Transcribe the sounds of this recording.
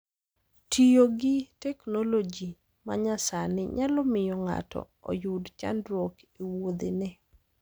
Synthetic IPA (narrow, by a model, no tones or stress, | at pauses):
tʰijoɡɪtɛknolod͡ʒi | ma̰ɲasanɪɲalɔmɪjɔŋa̰tʰɔ̰ | ɔ̰jʊdt͡ʃa̰ndɾɔkewod̪enɛ